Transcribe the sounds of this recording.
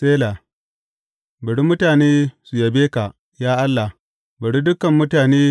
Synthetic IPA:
seː˦la˨ | bɐ˨ɽi˦mʊ˦taː˨neː˦su˨jɐ˨beː˦ka˨ʔ | jaː˦ʔa˦lːa˨h | bɐ˨ɽi˦dʊ˦kɐ˨mːʊ˦taː˨neː˦

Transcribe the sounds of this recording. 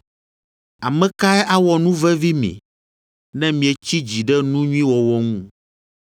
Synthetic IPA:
a˨mɛ̃˦ka˦ɛ˦ʔa˦wɔ˨nũ˦vɛ˦vi˦mḭ̃˨ | nɛ̃˦mĩ˨ɛ˨t͡ɕi˦d͡ʑi˨ɖɛ˦nũ˦ɲũ˦ĩ˦wɔ˨wɔ˦ŋũ˦

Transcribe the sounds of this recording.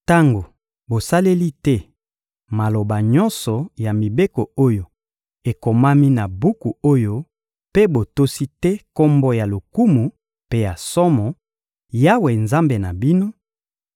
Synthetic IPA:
ta˦ŋɡo˨ | bo˨sa˦le˦li˦tɛ˦ | ma˨lo˨ba˨ɲɔ˦nsɔ˨ja˨mi˨be˦ko˨o˦jo˨ | e˨ko˨ma˦mi˦na˨bu˦ku˨o˦jo˦ | pe˦bo˨to˦si˦tɛ˦kɔ˦mbɔ˦ja˨lo˨ku˦mu˨ | pe˦ja˨sɔ˦mɔ˨ | ja˦we˨nza˦mbe˨na˨bi˦no˦

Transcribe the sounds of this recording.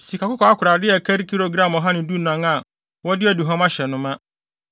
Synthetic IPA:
si˨kʰa˨kʊ˦kʰɔ˨˦a˦kʰʊ˨ɾa˨dɪ˦ɛ˨kʰa˦ɾi˦kʰi˦ɾo˨ɡɾã˦mɔ˨ɦã˦nɪ̃˨˦du˦˨nã˨˦ŋa˨ | wɔ˦dɪ˦ɛ˨du˨ɦã˦ma˦ɕɛ˨nʊ̃˦mã˦

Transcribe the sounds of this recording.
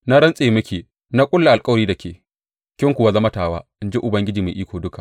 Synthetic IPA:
na˦ɾɐ˦nsʼeː˨mʊ˦kʲiː˨ | na˦kʼʊ˦lːa˨a˨lkʼɐ˦wɾiː˦da˨kʲʰeː˨ | kʲɪ˦ŋkʷʊ˨wa˦zɐ˦mɐ˦taː˨waː˦ɪ˦nd͡ʒe˦ʔʊ˨bɐ˦ŋɡʲɪ˦d͡ʒiː˨mḛː˨ʔiː˦kʷoː˨dʊ˦ka˨ʔ

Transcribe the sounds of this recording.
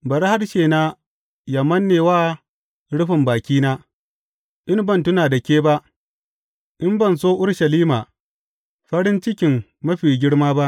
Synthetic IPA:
bɐ˨ɾha˦rʃeː˨naː˦ | jaː˨mɐ˦nːeː˨waː˦ | ɽʊ˦ɸɪ˨mbaː˨kʲiː˦naː˦ | ʔɪ˦nbɐ˦ntʊ˦naː˨da˨kʲeː˦ba˦ʔ | ʔɪ˦mbɐ˦˨nsoː˦ʔʊ˦ɽʃɐ˨liː˦maː˨ | ɸɐ˦ɽɪ˦nt͡ʃɪ˦kʲɪ˨mː | ɐ˦ɸiː˨ɡʲɪ˦ɽmaː˦ba˦ʔ

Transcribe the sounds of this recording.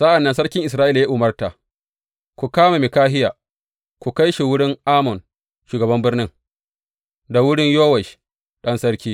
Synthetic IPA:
sɐ˦ʔa˨nːɐ˦nsɐ˦ɽkʲɪ˦ŋʔɪ˨s̬ɾaː˦ʔi˦la˨jaː˦ʔʊ˨mɐ˦rta˨ | kʷu˨kaː˦ma˨mɪ˨kaː˦ɦɪ˦jaː˨ | kʷu˨ka˦jʃi˨wʊ˦ɽɪ˦ŋʔaː˦mɔ˨n | ʃuː˨ɡɐ˨bɐ˦mbɪ˦rnɪ˦ŋ | da˨wʊ˦ɽɪ˦ɲjoː˦wɐ˨ʃ | ɗɐ˦nsɐ˦ɽkʲiː˦

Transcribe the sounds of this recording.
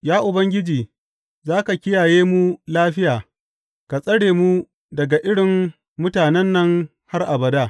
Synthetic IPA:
jaː˦ʔʊ˨bɐ˦ŋɡʲɪ˦d͡ʒiː˨ | zaː˦ka˨kʲɪ˦jaː˨jeː˦mu˦laː˦ɸɪ˦jaː˨ | ka˨sʼɐ˦ɽeː˨mu˦ | dɐ˨ɡa˨ʔɪ˦ɽɪ˨m | mʊ˦taː˨nɛ˦nːɐ˦ŋ | ha˦rʔa˨bɐ˨daː˦˨

